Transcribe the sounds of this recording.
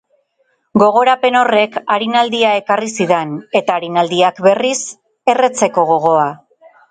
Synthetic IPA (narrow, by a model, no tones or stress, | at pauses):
ɡo̞ɣ̞o̞ɾape̞no̞re̞kaɾinald̪iae̞karisiðe̞ne̞t̪aːɾinald̪iakbe̞ris | e̞re̞t͡se̞ko̞ɣo̞ɣ̞o̞a